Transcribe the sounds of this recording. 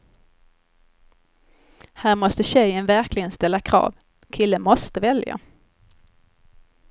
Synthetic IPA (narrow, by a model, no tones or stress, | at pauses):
hæːɾmɔst̪əɕɛjənvæɾklɪɡənst̪ɛlːakʰɾɑ̰ːv | kʰɪlːəmɔst̪əvɛlja̰